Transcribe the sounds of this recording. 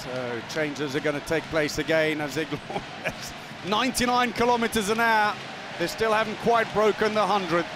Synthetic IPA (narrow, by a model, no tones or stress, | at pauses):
soʊt͡ʃʰẽɪ̃nd͡ʒɪzəɡʌnətʰeɪk̚pʰl̥eɪsɨɡɛ̃nəzðɪɡlɔ | ɛs | nãɪ̃ntinãɪ̃nkʰɪlɒmɪtəzə̃naʊt̚ | ðəstɪlˠhæṽn̩kʰw̥aɪt̚b̥ɹoʊkə̃nðəɦʌ̃ndɹɨd̚